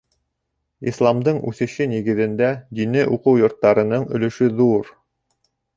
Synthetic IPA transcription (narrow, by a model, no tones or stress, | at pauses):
ḭslˠɑmd̪ɤɴʉ̰θɘ̆ʃɘniɡɘ̆ðɘ̆nd̪æd̪inɘʔuqɤwjŏɾt̪ːɑɾɤ̆nɤɴɵ̆lɵ̆ʃɵðuɾ